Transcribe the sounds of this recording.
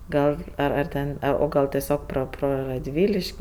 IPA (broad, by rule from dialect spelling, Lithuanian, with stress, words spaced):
ˈɡɐlˠ ɐr ɐr ˈtʲɛn ɐ oː ˈɡɐlˠ ˈtʲæːsʲoːk proː ˈproː rɐdʲˈʋʲiːlʲɪʃʲkʲ